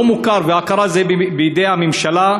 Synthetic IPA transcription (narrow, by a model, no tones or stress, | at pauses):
mukaɾveakaɾazebejd̪ejhamimʃala